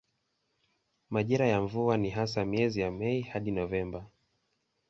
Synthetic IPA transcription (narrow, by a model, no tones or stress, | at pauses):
maʄiɾajaɱvuaniɦasamiɛzijamɛihaɗinɔvɛmba